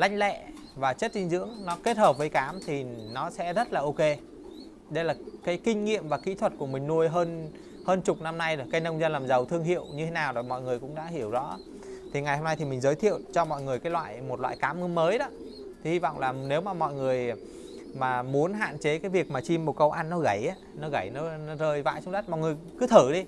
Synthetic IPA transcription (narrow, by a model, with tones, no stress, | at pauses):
la̰˧˥jŋ̟lɛ̰˧˨ | vaː˨˩t͡ɕə˦˥t̚t̪ï˧ŋ̟zɨ̰˧˥əŋnɔ˨˦ke˦˥t̚həː˨˩p̚vəː˨˦jkaː˨˦mt̪ʰi˨˩nɔ˨˦sɛ̰˧˥zə˦˥t̚laː˨˩ʔo˧ke˧ | ɗə˧jlaː˨˩kaː˨˦jkï˧ŋ̟ŋḭ˧˨əmvaː˨˩kḭ˧˥t̪ʰwə˨˩t̚ku˧˩əmï˨˩ŋ̟nu˧əjɦəː˧n | həː˧nt͡ɕʊ˨˩k͡p̚na˧mna˧jɗo˨˩jkaː˨˦jnə˧wŋ͡mzə˧nlaː˨˩mzə˨˩wt̪ʰɨ˧əŋɦḭ˧˨əwɲɨ˧t̪ʰe˨˦naː˨˩wɗo˨˩jmɔ̰˧˨jŋɨ˨˩əjkʊ̰˧˥ŋ͡mɗa̰ː˧˥ɦi˧˩əwzɔ̰˧˥ | t̪ʰi˨˩ŋa˨˩jho˧mna˧jt̪ʰi˨˩mï˨˩ŋ̟zəː˨˦jt̪ʰḭ˧˨ə˨wt͡ɕɔ˧mɔ̰˧˨jŋɨ˨˩əjkaː˨˦lwa̰ː˧˨jmo˨˩t̚lwa̰ː˧˨jkaː˨˦mʔɨ˧nməː˨˦jɗɔ˨˦ | t̪ʰi˨˩hi˧va̰˧˨wŋ͡mlaː˨˩ne˨˦wmaː˨˩mɔ̰˧˨jŋɨ˨˩əj | maː˨˩mu˨˦ənɦa̰ː˧˨nt͡ɕe˨˦kaː˨˦jvi˨˩ək̚maː˨˩t͡ɕi˧mːo˨˩t̚kə˧wʔa˧nːɔ˨˦ɣa˧˩jʔaː˨˦nɔ˨˦ɣa˧˩jnɔ˨˦nɔ˨˦zəː˧˩jva̰ː˧˥jt͡ɕʊ˧˨˦ŋ͡mɗə˦˥t̚mɔ̰˧˨ŋɨ˨˩əjkɨ˨˦t̪ʰɨ˧˩ɗi˧